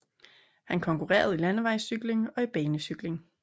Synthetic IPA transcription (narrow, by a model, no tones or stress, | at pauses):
hænkʰɒ̽ŋkuʁɛ̰ːɐð̞̩ˠilænəʋɑ̈ɪsyɡ̥le̝ŋɒ̽ib̥ɛːnəsyɡ̥le̝ŋ